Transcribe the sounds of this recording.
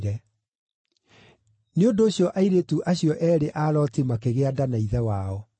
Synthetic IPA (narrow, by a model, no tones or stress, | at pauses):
ɾɛ | neondoːɕjɔʔaiɾetuʔaɕjɔʔɛːɾeʔaːɾɔtimakeɣeadanaiðɛwaɔ